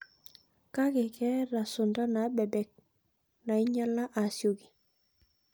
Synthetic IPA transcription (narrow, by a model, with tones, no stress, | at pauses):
ka˦kɛ˨kɛ˦ɾa˨sʊ˨nda˦na˨˦bɛ˨bɛ˨k̚ | na˨i˦ɲa˦la˦ʔa˨sjo˨ɡi˨